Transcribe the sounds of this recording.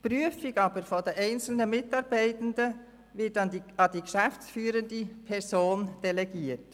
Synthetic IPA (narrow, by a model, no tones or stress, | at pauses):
pɾyəfɪɡɑːbəɾfɔdɛʔɛɪnt͡sl̩nəmɪtɑɾbɛɪtəndə | ʋɪtɑd̥iɡʃæft͡sfyːɾəndipʰɛɾsoːnd̥ɛlɛɡiːət